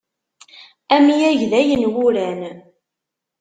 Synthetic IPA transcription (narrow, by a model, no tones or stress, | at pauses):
æmijæʝðæjənwʊɾæn